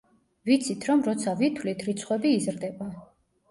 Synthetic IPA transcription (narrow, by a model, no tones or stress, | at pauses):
vit̪sʰit̪ʰɾɔmɾɔt̪sʰavit̪ʰvlit̪ʰɾit̪sʰχwɛbiːzɾd̪ɛba